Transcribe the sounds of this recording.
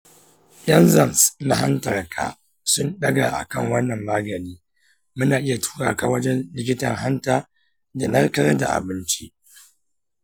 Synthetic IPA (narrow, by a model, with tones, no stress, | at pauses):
jɐ˦nzɐ˨nsna˦ɦa˦ntɐ˨rkʰa̰˨ | sʊ˦nɗɐ˦ɡa˨ʔa̰˨kɐ˦ŋwɐ˦nːɐ˨mːaː˦ɡɐ˨niː˦ | mʊ˦naː˨ʔɪ˦ja˨tʰu̥ː˦ɽa̰ː˨ka˨wɐ˦d͡ʒɛ˦nlɪ˦k̬ʲɪ˦tɐ̰˨ŋɦa˦ntaː˦ | da˨nɐ˦ɾkɐ˦ɾa˦da̰˨ʔa̰˨bɪ˦nt͡ʃi˦